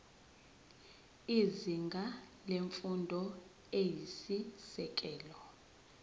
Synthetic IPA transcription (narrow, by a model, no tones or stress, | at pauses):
iziŋɡʱaleɱfundʱɔ | ejisisɛk̬ʼɛːlɔ